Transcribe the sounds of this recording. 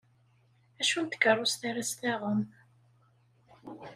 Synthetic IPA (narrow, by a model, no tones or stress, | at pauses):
æʃunt̪ə̥kːərˤːʊst̪æɾæst̪æʁəm